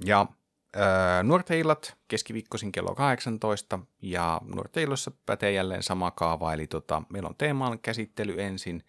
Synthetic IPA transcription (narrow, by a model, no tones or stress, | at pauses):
jɑ | əːnuort̪eilːˑɑt̪keskiʋiːkːosiŋkelːo̰kɑheksɑnt̪o̞ist̪ɑjɑ̰nṵo̰rt̪ˑeilːˑosːɑpæ̰t̪ejælːḛːnsɑmɑkɑːʋɑelit̪ot̪ɑ̰meilo̰nt̪eːmɑːlkæsit̪ːelyensin